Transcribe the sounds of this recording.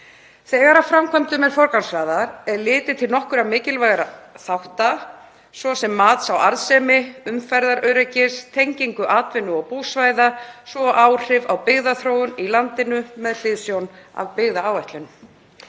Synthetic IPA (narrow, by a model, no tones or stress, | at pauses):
θɛːɣaɾafɾamkʰɛmt̪ʏmɛɾ̥fɔɾkansvɾaːðaɾɛɾlɪːt̪ɪt̪ʰɪlnɔhkʏɾamɪːcɪlvajɣaɾaθawht̪a | svɔsɛmːaːt̪sawaɾðsɛːmɪʏmfajɾðaɾʔœɥɾɛcɪst̪ʰejɲciŋkʏʔaːt̪vɪnːʏɔɣpuːsvaːjðasvɔʔaːwr̥ɪvawpɪɣðaθɾoːwʏnilant̪ɪnʏmɛðl̥ɪðsjowna̰vpɪɣðaaːwvɛht̪lɪn